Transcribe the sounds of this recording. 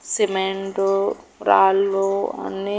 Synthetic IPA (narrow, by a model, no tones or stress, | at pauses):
simeɳʈuɾaːlːuɐ̰nːi